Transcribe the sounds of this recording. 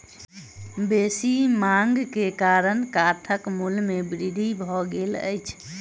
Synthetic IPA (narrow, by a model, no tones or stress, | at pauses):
besimaŋɡkekaɾənkat̪ʰəkmulmebɾid̪ʱibʱɔɡelə̰jt͡ʃʰ